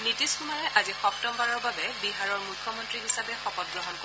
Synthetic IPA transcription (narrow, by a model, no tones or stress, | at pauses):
nitiskumaɹɛʔazixɔptɔmbaɹɔɹbabɛbiɦaɹɔɹmukʰːjɔmɔntɹiɦisabɛxɔpɔt̚ɡɹɔɦɔnk